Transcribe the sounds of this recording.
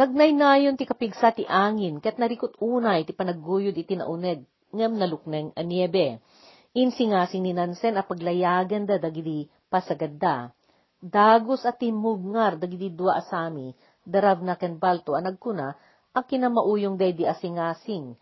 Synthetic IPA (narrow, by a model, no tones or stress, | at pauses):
nɐɡ̚najnaːjont̪ikɐpiɡsat̪iʔaːŋɪnkɐjɐt̪̚nɐɾikʊt̪uːnɐjt̪ipɐnɐɡujʊd̪ɪt̪inɐ̰ʔʊnɛd̪̚ | ŋamnɐlʊk̚nɛŋʔɐnjɛbɛ | ʔinsɪŋaːsɪŋninansɛnɐpɐɡlɐjaːɡɐnd̪ɐd̪ɐɡid̪i | pɐsɐɡɐd̪a | d̪aːɡosɐt̪imʊɡ̚ŋaɾd̪ɐɡɪd̪id̪uaʔɐsaːmi | d̪ɐɾavnɐkɛnbalt̪oɐnɐɡ̚kuna | ʔɐŋkɪnamɐʔuːjoŋd̪ɐjd̪iʔɐsɪŋaːsɪŋ